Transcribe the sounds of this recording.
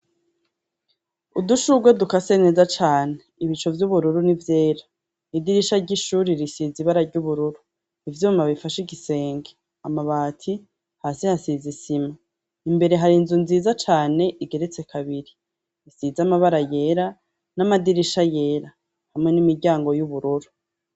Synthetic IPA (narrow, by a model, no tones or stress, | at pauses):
uduʃuɡwadukase̞ne̞zat͡ʃaːneiβit͡ʃo̞vjuβuɾuɾunivjeːɾa | idiɾiʃaɟiʃuɾiɾisiziβaɾaɾɟuβuɾuɾu | ivjuːmaβifaʃiɡise̞ːŋɡe | amaβaːtʰi | haːsihasizisima | imbe̞ɾe̞ɦaɾinzunziːzat͡ʃaːne̞ʔiɡe̞ɾet͡se̞kʰaβiɾi | isizamaβaɾaje̞ːɾa | namadiɾiʃaje̞ːɾa | hamŋe̞nimiɾɟaːŋɡo̞juβuɾuɾu